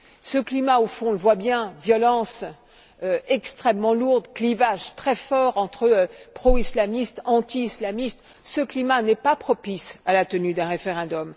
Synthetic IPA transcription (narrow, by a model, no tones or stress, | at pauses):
səklimaofɔ̃ləvwabjɛ̃vjɔlɑ̃s | øɛkst̪χɛmːɑ̃luʁd̪klivaʒt̪χɛfɔʁɑ̃t̪χəøpχɔislamist̪ɑ̃t̪iːslamist̪ | səklimanɛpapχɔpisalat̪ənyd̪ɛ̃ʁefeʁɛ̃d̪ɔm